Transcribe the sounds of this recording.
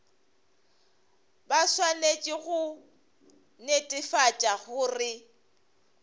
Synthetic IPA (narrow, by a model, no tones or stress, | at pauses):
baswanet͡ʃʼɪɣʊ | netʼɪfat͡ʃʼaɣʊːrɪ